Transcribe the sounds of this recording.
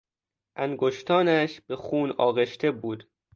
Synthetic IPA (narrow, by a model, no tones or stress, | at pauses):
ʔæŋɡoʃt̪ʰɒːnæʃb̥exuːnɒːɣeʃt̪ʰe̞buːd̪̥